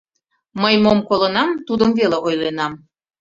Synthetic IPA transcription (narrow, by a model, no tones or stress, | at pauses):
məjmomkolənɑmt̪ud̪əmveleʔojlenɑm